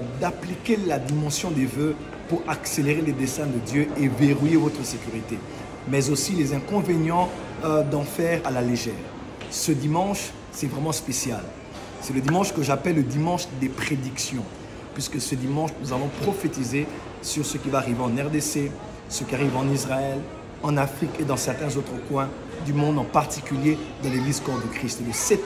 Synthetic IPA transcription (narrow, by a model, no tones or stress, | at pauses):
d̪aplikʲelad̪imɑ̃sjɔ̃d̪evø | puʁakseleʁeled̪esɛ̃d̪əd̪jøeveʁujevɔt̪χəsekʲyʁit̪e | mɛzosilezɛ̃kɔ̃veɲjɑ̃ | d̪ɑ̃fɛʁalaleʒɛːʁ | səd̪imɑ̃ʃ | sɛvʁɛmɑ̃spesjal | sɛləd̪imɑ̃ʃkəʒapɛlːəd̪imɑ̃ʃd̪epχed̪iksjɔ̃ | pɥiskəsəd̪imɑ̃ʃnuzavɔ̃pχɔfet̪ize | syʁsəkʲivaːʁiveɑ̃nɛʁd̪ese | səkʲiaʁivɑ̃nizʁaɛl | ɑ̃nafχiked̪ɑ̃sɛʁt̪ɛ̃zot̪χəkwɛ̃ | d̪ymɔ̃d̪ɑ̃paʁt̪ikʲyljed̪ɑ̃leɡlizkɔʁd̪əkχist̪eləsɛt̪